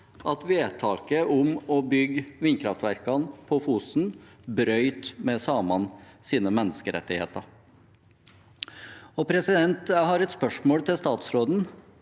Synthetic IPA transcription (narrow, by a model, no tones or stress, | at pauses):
ʔɑt̪ʋeːt̪ʰɑːkəʔʊmɔbʏɡʋiːnkʰɾɑft̪ʋæɾkɑnpʰɔfuːsn̩ | bɾœʏt̪mɛsɑːmɑnsiːnəmɛnːəskəɾɛ̰t̪ːɪhḛːt̪əɑɾ | ɔpʰɾɛsɪd̪ɛnt̪hɑɾɛt̪spœʂmoːlt̪ʰɪlst̪ɑːt̪sɾoːd̪n̩